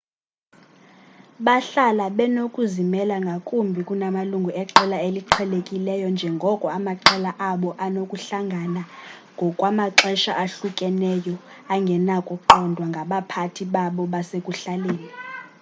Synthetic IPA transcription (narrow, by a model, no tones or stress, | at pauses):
ɓaɬalaɓɛnokʼuzimɛlaŋɡʱakʼumbʱikʼunamaluŋɡʱuɛǁɛlaeliǃʰɛlekʼilɛjɔnd͡ʒʱɛŋɡʱɔkʼɔamaǃɛlaʔaɓɔʔanokʼuɬaŋɡʱanaŋɡʱɔkʼwamaǁɛʃaʔaɬukʼɛnɛjɔ | aŋɡʱɛnakʼoǃʰɔndʱwaŋɡʱaɓapʰatʰiɓaɓɔɓasekʼuɬaleːni